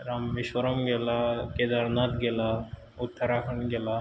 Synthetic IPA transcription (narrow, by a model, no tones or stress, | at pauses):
ɾamːiʃwəɾəmɡelaked̪aɾnat̪ɡela | ut̪ʰːaɾakʰəɳɡela